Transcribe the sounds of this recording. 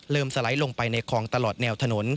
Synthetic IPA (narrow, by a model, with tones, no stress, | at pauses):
lɤː˧msa˧la˩˦jlo˧ŋpa˧jna˧jkʰɔː˩˦ŋt̪a˧lɔː˨˩t̪̚nɛː˧wt̪ʰa˧no˩˦n